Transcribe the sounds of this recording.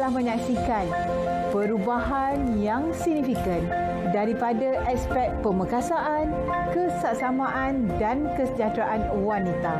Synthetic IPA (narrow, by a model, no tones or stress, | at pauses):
lahmə̃ɲaksikan | pəɾubaɦan | jaŋsiɡ̚nifikən | daɾipadaʔɛk̚spɛk̚pəməkasaʔan | kəsaʔsamãʔandankəsəd͡ʒat̪ɾaʔan | wanit̪a